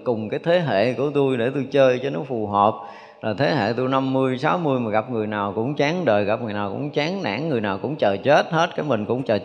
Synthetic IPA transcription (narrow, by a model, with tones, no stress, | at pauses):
kʊ˨˩ŋ͡mkaː˨˦jt̪ʰe˨˦ɦḛ˧˨ku˧˩ət̪u˧jɗe˧˩t̪u˧jt͡ɕəː˧jt͡ɕɔ˧nɔ˨˦fu˨˩ɦəː˨˩p̚ | laː˨˩t̪ʰe˨˦ɦḛ˧˨t̪u˧jna˧mːɨ˧əjsaː˨˦wmɨ˧jmaː˨˩ɣa˨˩p̚ŋɨ˨˩əjnaː˨˩wkʊ̰˧˥ŋ͡mt͡ɕaː˨˦ŋɗəː˨˩jɣa˨˩p̚ŋɨ˨˩jnaː˨˩kʊ̰˧˥ŋ͡mt͡ɕaː˨˦ŋna̰ː˧˩˥ŋːɨ˨˩əjnaː˨˩wkʊ̰˧˥ŋ͡mt͡ɕəː˨˩t͡ɕe˦˥t̚he˦˥t̚kaː˨˦jmï˨˩ŋ̟kʊ̰˧˥ŋ͡mt͡ɕəː˨˩